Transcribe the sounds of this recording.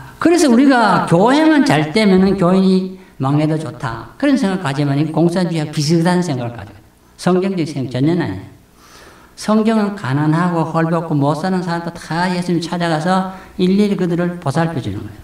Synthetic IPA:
kɯɾe̞s̬ʰʌuɾiɡakjoɦeŋant͡ɕaɭt͈emjʌnɯnkjoiɲimaŋːedʌt͡ɕotʰa̰kɯɾʌnsʰeŋɡaɭk͈ad͡ʑimaɲiɡokoŋsʰand͡ʑuaɡopis̬ʰɯdanɯnsʰe̞ŋɡaɭk͈a̰d͡ʑiɡo | sʰʌŋɡjʌŋd͡ʑeɡisʰeŋt͡ɕʌɲːʌna̰ɲi | sʰʌŋɡjʌŋɯnkananɦaɡohʌɭbʌkʰomʌs͈anɯnsʰaɾamtʰotajes͈ʰuimt͡ɕʰad͡ʑaɣasʰʌilːiɾikɯdɯɾɯɭposʰaɭpʰjʌd͡ʑunɯ̰nɡʌjo

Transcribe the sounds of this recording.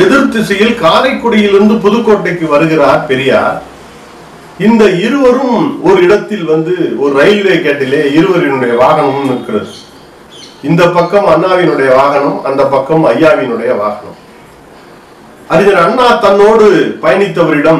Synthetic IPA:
ɛðɪɾt̪ːɪsɐjɪlkaːlɐɪkːʊɽɐjɪlɪɾɯnd̪ɯp̬ʊðɯkːoːʈːɐɪkːɯʋɐɾɯɣɪraːɾpɛɾɪja̰ːɾ | ɪnd̪ɐɪɾɯʋɐɾɯmɔɾɯɪɽɐt̪ːɪlʋɐnd̪ɯɔɾɯɾɐɪlʋeːkeːʈːɪleːɪɾɯʋɐɾɪnɯɽɐjɐʋaːɣɐɳɐmɯmnɪkːɪrɐðɯ | ɪnd̪ɐpːɐkːɐmɐnːaːʋɪnɯɽɐjɐʋaːɣɐnɐmɐ̰nd̪ɐpːɐkːɐmɐjːaːʋɪnɯɽɐjɐʋa̰ːɣɐɳɐ̰m | ɐɾɪðɐɾɐɳːaːt̪ɐnːoːɽɯpɐjɐnɪt̪ːɐʋɐɾɪɽɐm

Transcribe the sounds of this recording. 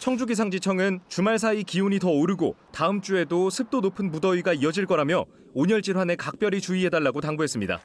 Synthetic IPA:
t͡ɕʰʌŋd͡ʑuɡis̬ʰaŋd͡ʑit͡ɕʰʌŋɯnt͡ɕumaɭs̬ʰaikiuɲitʌoɾɯɡo̰taɯmt͡ɕ͈ue̞dosʰɯp̚t͈onopʰɯnpudʌiɡaiʌd͡ʑiɭk͈ʌɾamjʌ | oɲʌɭt͡ɕ͈iɾwane̞kak̚p͈jʌɾit͡ɕuiɦe̞daɭːaɡotaŋbuɦe̞s͈ɯmɲida̰

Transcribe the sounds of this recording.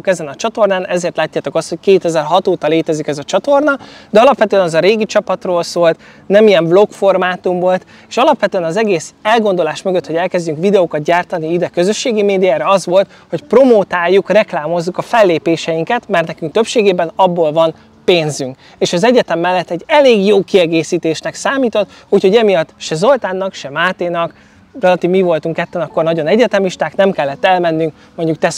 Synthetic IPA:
ukɛzɛnɒt͡ʃɒt̪o̞rnaːnʔɛzeːrt̪laːcːaːt̪o̞kɒst̪ho̞ckeːt̪ɛzɛrɦɒt̪oːt̪ɒleːt̪ɛzikɛzɒt͡ʃɒt̪o̞rnɒd̪ɛɒlɒpʋɛt̪øɛnɛzɒɾeːɡit͡ʃɒpɒt̪roːlsoːlt̪ | nɛmijɛɱblo̞kfo̞rmaːt̪umvo̞lt̪ | eːʃɒlɒpʋɛt̪ø̟ɛnɒzɛɡeːsɛlɡo̞nd̪o̞laːʃmøɡøt̪ho̞ɟɛlkɛzɟyŋkʋid̪ɛoːkɒt̪̚ɟaːrt̪ɒniid̪ɛkøzø̞ʃːeːɡimeːd̪ijaːɾɛɒzʋo̞lt̪ | ho̞cpro̞moːt̪aːjːukrɛklaːmo̞zːukɒfɛlːeːpeːʃɛjiŋkɛt̪mɛrt̪nɛkyŋk̚t̪ø̞pʃeːɡeːbɛnɒbːoːlvɒn | peːnzyŋk | eːʃɒzɛɟɛt̪ɛmːɛlːɛt̪ːɛɟːɛleːɡjoːkiɛɡeːsiːt̪eːʃnɛksaːmiːt̪ot̪ː | uːcho̞ɟɛmijɒt̪ːʃɛzo̞lt̪aːnːɒkʃɛmaːt̪eːnɒk | rɛlɒt̪iːvmivo̞lt̪uŋkɛt̪ːɛnɒkːo̞rnɒɟo̞nɛɟɛt̪ɛmiʃt̪aːknɛmkɛlːɛt̪ːɛlmɛnːyŋk | moɲɟuk̚t̪ɛs

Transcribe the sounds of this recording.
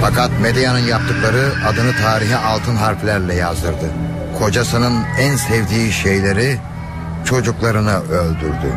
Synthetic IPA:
fakat̪̚med̪ijanɯnjap̚t̪ʰɯklˠaɾɯad̪ɯnɯt̪ʰaːɾiɦiʔalˠt̪ʰɯnɦaɾflʲæɾlʲɛjazd̪ɯɾd̪ɯ | kʰo̞d͡ʒasɯnɯnænsɛvd̪iːʃejlʲe̞ɾi | t͡ʃʰo̞d͡ʒuklˠaɾɯnɯølʲd̪yɾd̪y̰

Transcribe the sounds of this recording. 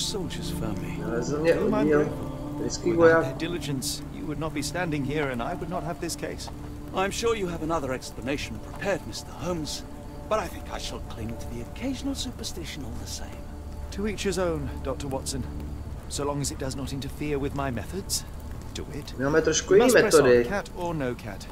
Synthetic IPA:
soʊlˠd͡ʒə˞z̥fɜ˞mlinɪsnɛmaɪ | ɪskiwɛdɪlˠɨd͡ʒɨ̃nsjɨ̰wɨdⁿnət̚b̥istæ̃ndɪ̃ŋhiɹɨ̃naɪwədⁿnət̚ɦɨvðɪskʰeɪs | ʔãɪ̃mʃʊɹjɨːvənʌðə˞ɛkspləneɪʃn̩pʰɹ̥ɨpʰɛɹd̚mɪstə˞hõʊ̃mz̥ | b̥ʌɾaɪθɪ̃ŋkaɪʃəlˠkʰl̥ɪ̃ŋtʰɨðiɨkʰeɪʒn̩l̩ˠsʉpə˞stɪʃɨ̃nɔlˠðəsḛ̃ɪ̃m | tʰɨit͡ʃhəzõʊ̃nd̥ɑk̚tə˞wɑtsɨ̃nsoʊlɔ̃ŋɨzɨt̚d̥ʌznəɾɪ̃ntə˞fɪɹwɨðmaɪmɛθədz̥ | d̥ɨ̰ɪ̰tnamɛt̪ɾəskwimɛɛɔdɪkʰæɾə˞noʊkʰæ̰t̚

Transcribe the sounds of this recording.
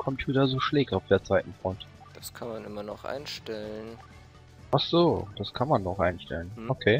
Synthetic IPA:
kʰɔmpʰjuːtɐzoːʃlɛːk̚taʊfd̥eːɐt͡sv̥aɪtn̩fʁ̥ɔnt | d̥askʰanmanʔɪmɐnɔχʔa̰ɪnʃtɛləən | ʔaχz̥oːd̥askʰanmanːɔχʔaɪnʃtɛ̰lənʔokʰeː

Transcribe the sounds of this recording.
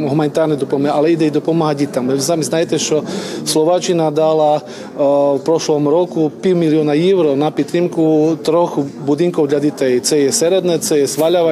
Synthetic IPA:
ɦumanit̪aːɾnɛd̪ɔpɔmalɛid̪ɛid̪ɔpɔmaɦaɟit̪amɛsamiznajɛt̪ɛt͡ʃɔslɔʋat͡ʃinad̪ala | fpɾɔʃlɔmɾɔkupiwmiliɔnajɛwɾɔnapit̪ɾimkut̪ɾɔxbud̪iŋkɔwd̪lʎad̪it̪ɛjit͡sɛjɛsɛɾɛd̪nɛt͡sɛjɛsʋaʎaʋa

